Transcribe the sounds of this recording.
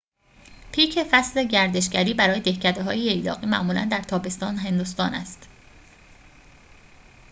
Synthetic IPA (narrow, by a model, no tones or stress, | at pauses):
pʰiːcʰe̞fæsle̞ɟæɾd̪e̞ʃɡæɾiːbæɾɒːje̞d̪e̞hcʰæd̪eɦɒ̰ːjiejd̪ɒ̰ːɣiːmæ̰ʔmuːlæ̰nd̪æɾt̪ʰɒːbe̞st̪ɒːnɦe̞nd̪ust̪ɒːnæst̪